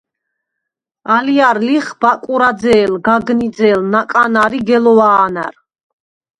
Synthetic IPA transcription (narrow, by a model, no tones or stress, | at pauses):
aliaɾliχbakʼuɾad̪zɛːlɡaɡnid̪zɛlnakʼanaɾiɡɛlɔaːna̰ɾ